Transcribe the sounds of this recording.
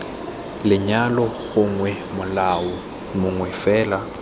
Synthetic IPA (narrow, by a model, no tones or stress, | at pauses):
lɪɲalɔɣʊŋwɛ | mʊlaʊ | mʊŋwɛfɛːla